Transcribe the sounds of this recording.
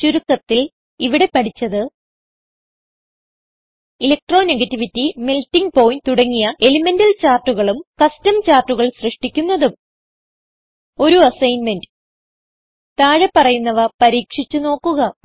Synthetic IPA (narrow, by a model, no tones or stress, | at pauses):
t͡ɕuɾukːɐt̪ːil | iʋiɽe̞pɐʈʰit͡ɕːɐðɨ | ilek̚ʈro̞ːneɡɐtːiʋitːimiltːiŋɡpoːjnt̪uɽɐŋːijɐe̞lime̞ndɐlt͡ɕaːrʈːuɣɐɭumkɐstɐmt͡ɕaːrʈːuɣɐɭsrɨʂʈikʲːunːɐðum | o̞ɾuɐsɐjnmend | t̪aːɻepːɐrɐjunːɐʋɐpɐɾiːkʂit͡ɕːuno̞ːkːuɣɐ